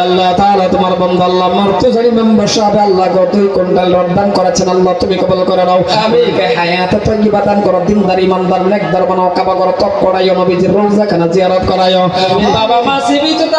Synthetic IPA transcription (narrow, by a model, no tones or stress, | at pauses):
ɐlːat̪alat̪ʊmaɾbɔnd̪alːamɔɾt̪uzaɽimɛnbɔʃaabɛɐlːaɡɔt̪ujkɔɳʈalɾɔd̪ankɔɾat͡ʃʰɛnalːat̪umikɔbɔlkɔɾaɽawamikajɦajat̪ɔt̪ɔjɡibad̪ankɔɾɔd̪ind̪aɾimand̪aɾnɛk̚d̪aɾɔmanɔɔkabakɔɾɔt̪ɔp̚kɔɽajɔnɔbid͡ʒ̪iɾolzakʰanaziaɾɔt̪̚kɔɾajɔabamasibit̪